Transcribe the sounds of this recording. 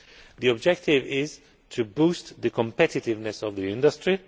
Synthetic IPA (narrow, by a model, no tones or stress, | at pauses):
ðiɔb̚d͡ʒɛk̚tʰɪvɪz̥ | tʰɨbustðɨkʰə̃mpɛtɪtɪvnɨsɔvðiɪ̃ndəstɹ̥i